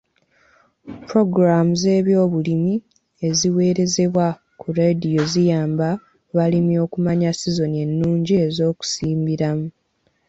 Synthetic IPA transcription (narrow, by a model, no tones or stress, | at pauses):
puɾo̞ɡɾamuze̞ːβjo̞ːβulimi | e̞ziwe̞ːɾe̞ze̞βwa | kuɾedijo̞zijaːmba | βalimjo̞ːkumaɲasizo̞nie̞nːuːɲɟiezo̞ːku̥siːmbiɾamu